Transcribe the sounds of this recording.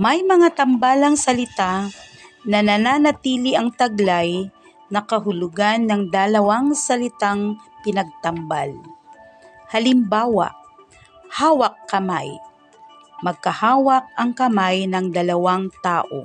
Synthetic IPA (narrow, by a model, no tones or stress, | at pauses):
mɐjmɐŋat̪ɐmbalɐŋsɐlɪt̪a | nɐnɐnaːnɐt̪iːlɪʔɐŋt̪ɐɡlaj | nɐkɐɦʊlʊɡanːɐŋd̪ɐlɐwaŋsɐlɪt̪aŋpɪnɐɡ̚t̪ɐmbal | hɐlɪmbaːwa̰ | haːwɐk̚ːɐma̰j | mɐɡ̚kɐhaːwɐk̚ɐŋkɐmajnɐŋd̪ɐlɐwaŋt̪aːʔo̰